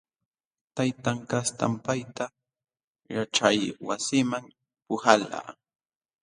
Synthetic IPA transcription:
t̪ajt̪aŋkast̪a̰mpajt̪a | jaʈ͡ʂajwasɪmaŋ | pʊhala̰ː

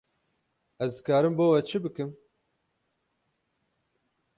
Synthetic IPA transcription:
ɛzd̪ɨkɑːɾɨmboːwɛt͡ʃʰɨbɨkɨm

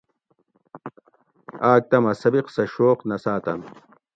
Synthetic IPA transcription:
aːk̚t̪ɐmɐsɐbiqsɐɕoːqnɐsaːt̪ɐn

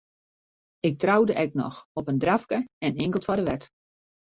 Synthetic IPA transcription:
ɪk̚trawdəʔɛk̚nɔ̰xɔpəndrafkəɛnɪŋkəl̩ˠtfadəʋɛt

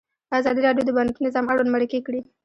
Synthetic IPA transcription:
d̪̥əazɑd̪iɾɑɖjod̪əbanknɪzɑmaɽwanmaɽɪkekɽi

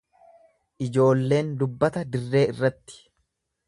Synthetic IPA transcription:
ʔɪd͡ʒo̞ːlːe̞ːnd̪ʊbːɐt̪ɐd̪ɪrːe̞ːɪrːɐt̪ːɪ̥

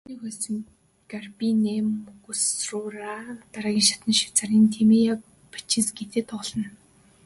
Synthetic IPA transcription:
uniːxusɘ̆ŋ | ɡarpinemɣɵsrʊraːt̪aɾaːɣʲiːŋʃḁt̪ə̆nʃi̥wt͡saɾʲiːnt̪ʰemija | pḁt͡ɕʰĭnsɡet̪eːt̪ɔɮɞ̆n

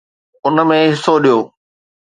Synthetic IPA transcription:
ʊnə̆mẽɦɪsoɗijoː

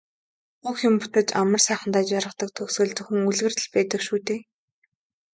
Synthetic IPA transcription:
xuxjʊ̆mpʊt̪ə̆t͡ɕamə̆rsæːχə̆nt̪aːt͡ɕaɾʁə̆χt̪ə̆k̚t̪ʰɵsɵ̆ɮt͡sɵ̆xŭŋuɮɣɘ̆rt̪̆ɮpæːt̪ə̆kʃuːt̪eː

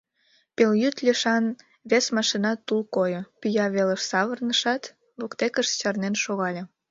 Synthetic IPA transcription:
peljyt̪lʲiʃɑn | βesmɑʃinɑt̪ːulkojopyjɑβeləʃsɑβərnəʃɑt̪ | βokt̪ekəʃt͡ɕɑrnenʃoɣɑlʲe

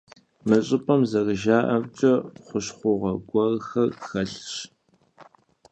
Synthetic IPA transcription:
mɨɕʼɪpʼɐmzɐrɨʒaːʔɐmt͡ʃʼɐχʷʊɕχʷʊʁɐɡʷɔrxɐrxɐɬɕ

